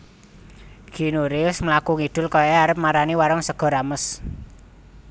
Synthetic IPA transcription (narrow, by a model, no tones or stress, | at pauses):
ɡ̥inuɾiʊsməlakuŋiɖ̪̥ʊ̤lkɔjɔaɾəp̚maɾaniwaɾɔŋsəɡ̥ɔ̤ɾaməs